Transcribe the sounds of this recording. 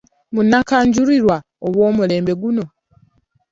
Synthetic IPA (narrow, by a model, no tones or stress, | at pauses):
munːakaːɲɟuɾiɾwa | oβwoːmule̞ːmbe̞ɡuno̞